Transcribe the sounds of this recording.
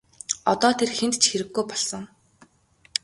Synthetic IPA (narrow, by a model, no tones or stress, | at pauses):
ɔt̪ɔːt̪ʰerxent̪t͡ɕxeɾɘ̆ɡːujpɔɮsɞ̆ŋ